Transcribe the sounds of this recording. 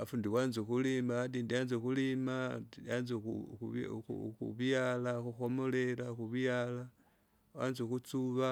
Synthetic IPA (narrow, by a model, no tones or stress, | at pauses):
afuːndiwaːnzuxulimaadiːndianzexulimaanzḛ | xṵβjalaxuxomo̞leɾaxuβjaːla | waːnzexut͡suβa